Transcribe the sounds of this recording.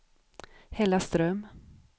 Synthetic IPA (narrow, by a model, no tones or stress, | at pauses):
hɛlast̪ɾœm